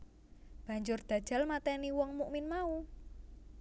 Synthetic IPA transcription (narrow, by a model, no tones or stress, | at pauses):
b̥a̤ɲd͡ʒʊrd̪̥ä̤d̥ʒ̥a̤lmat̪ɛniwɔŋmuʔmɪnmau